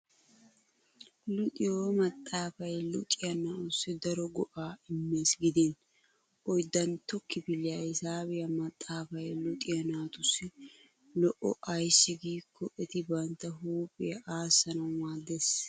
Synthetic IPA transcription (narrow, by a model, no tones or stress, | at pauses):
lʊt̪ʼɪjoːmɐt̪ʼːaːfɐjlʊt̪ʼɪjɐnaːʔʊsːɪd̪ɐɾɔɡɔʔaːɪmːe̞ːsɡɪd̪en | ʔɔjd̪ɐnt̪ɔkːɪbɪlːɪjaːɪsaːbɪjɐmɐt̪ʼːaːfɐjlʊt̪ʼɪjɐnaːt̪ʊsːɪ | lɔʔɔɐjsːɪɡiːkʰːɔʔɛt̪ɪbɐnt̪ːɐɦuːpʼɪjʔaːsːɐnɐwwaːd̪ːes